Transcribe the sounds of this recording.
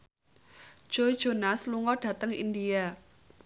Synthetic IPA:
ʒ̥oi̥d͡ʒ̥onasluŋɔɖ̥ä̤t̪əŋḭndia

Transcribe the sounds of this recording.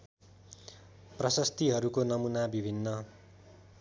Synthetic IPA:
prʌsʌst̪iɦʌɾukonʌmunabibʱinːʌ

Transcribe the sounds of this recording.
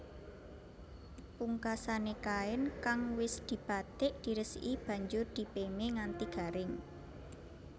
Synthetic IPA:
puŋkasanekaɪnkaŋwɪsd̪̥i̤b̥at̪ɪʔd̪̥i̤ɾəsib̥ä̤ɲd͡ʒʊrd̪̥i̤pemeŋant̪iɡ̥a̤ɾɪŋ

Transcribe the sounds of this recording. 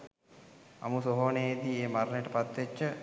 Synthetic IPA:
a̰musoɦoːned̪ieːmaɾnəjʈəpat̪ʋet͡ʃːə

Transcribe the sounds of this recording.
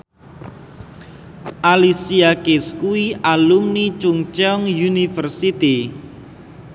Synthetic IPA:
ʔalisiakɪskuwiʔalumnit͡ʃuŋt͡ʃɛɔŋjunifərsit̪i

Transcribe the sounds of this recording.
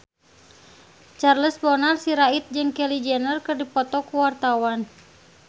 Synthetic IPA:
t͡ʃarləsbɔnarsiɾait̪̚d͡ʒɨŋkɛlid͡ʒɛnərkɨrdipɔt̪ɔkuwart̪awan

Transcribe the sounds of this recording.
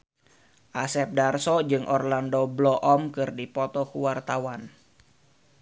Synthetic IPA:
ʔasɛp̚darsɔd͡ʒɨŋʔɔrlandoblɔʔɔmkɨrdipɔt̪ɔkuwart̪awan

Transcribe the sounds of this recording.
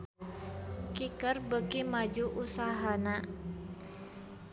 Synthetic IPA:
kikərbəkimad͡ʒuʔusaɦana

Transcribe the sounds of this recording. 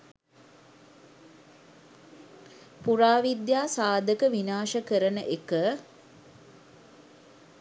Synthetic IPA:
puɾaːʋid̪jaːsaːd̪əkəʋinaːʃəkəɾənəʔekə

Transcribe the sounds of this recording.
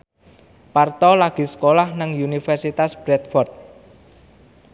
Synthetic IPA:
part̪ɔlaɡ̥i̤sə̥kolahnaŋjunifɛrsit̪asb̥ɾɛt̪̚fɔrt̪̚

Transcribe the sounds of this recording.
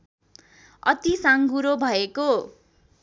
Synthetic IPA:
ʌt̪isaŋɡuɾobʱʌeko

